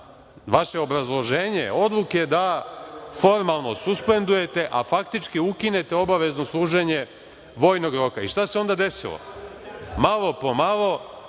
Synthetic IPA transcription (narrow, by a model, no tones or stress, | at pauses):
ʋaʃe̞o̞bɾazlˠo̞ʒeːɲḛo̞d̪lˠuked̪a | fo̞ɾmalˠno̞suspe̞nd̪uje̞t̪e̞ʔafakt̪it͡ʃkiukine̞t̪e̞o̞baʋe̞zno̞slˠuːʒeɲe | ʋo̞ːjno̞ɡɾo̞kaiʃt̪ase̞o̞nd̪ad̪e̞silo̰ | malˠo̞pomalo̞